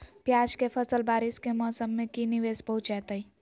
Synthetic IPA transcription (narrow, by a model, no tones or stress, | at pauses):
pjad͡ʒkepʰəsəlbaːɾiskemɔsəmːẽkiniʋespəɦut͡ʃɛːt̪əi